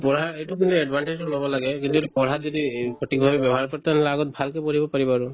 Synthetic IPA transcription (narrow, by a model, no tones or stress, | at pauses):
pɔɹaɹejtukint̪uɛɖbʱanʈed͡ʒlobɔlaɡɛkint̪uetupɔɹɦat̪zɔdikʰɔʈik̚bʱabɛbjɔbɔɦaɹkɔɹt̪ɛnlaɡɔt̪̚bʱalkɛpɔɹ̤ibɔpaɹibaɹu